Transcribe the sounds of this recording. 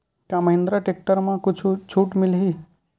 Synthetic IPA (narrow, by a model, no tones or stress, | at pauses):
kãməɦɪ̃nd̪ɾaʈek̚ʈəɾmãkut͡ʃʰut͡ʃʰuːʈmɪlɦi